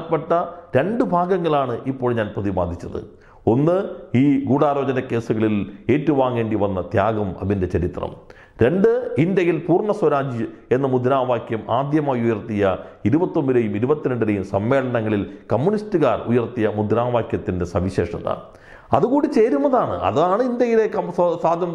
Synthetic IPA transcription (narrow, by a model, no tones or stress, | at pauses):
pːeʈːɐɾe̞ɳɖɨbʱaːɡɐŋːɐɭaːɳɨʔipːo̞ːɭɲaːnprɐðiʋaːd̪ʱːit͡ɕːɐðɨ̰ | o̞nːɨiːɡuːɽaːɾo̞ːd͡ʑɐnɐke̞ːsuɣɐɭile̞ːtːuʋaːŋːe̞ːɳɖiʋɐnːɐt̪jaːɡɐmɐ̰ðinde̞t͡ɕɐɾit̪rɐ̰m | ɾe̞ɳɖɨindjɐjilpuːrɳɐswɐɾaːd͡ʑie̞nːɐmud̪ʱɾaːʋaːkjɐmaːd̪jɐmaːjujɐrt̪ijɐiɾubɐt̪ːombiɾejumiɾubɐt̪ːiɾɐɳɖiɾejumsɐmːe̞ːɭɐnɐŋːɐɭilkɐmːunistɨɣaːrujɐrt̪ijɐmud̪ʱɾaːʋaːkjɐt̪ːinde̞sɐʋiɕe̞̰ːʂɐðɐ̰ | ɐðuɣuːɽit͡ɕeːɾunːɐðaːɳɨ̰ɐ̰ðaːɳɨind̪jɐjile̞kɐssaːd̪ʱjɐm